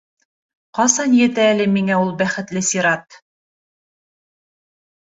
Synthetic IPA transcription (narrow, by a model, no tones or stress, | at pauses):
qɑsɑnjɘ̆t̪æːlɘmiŋæulˠbæχɘ̆t̪lɘsiɾɑt̪